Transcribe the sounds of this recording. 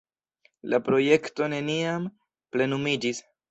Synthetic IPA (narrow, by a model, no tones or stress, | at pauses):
lapɾo̞je̞kto̞ne̞niam | ple̞numid͡ʒis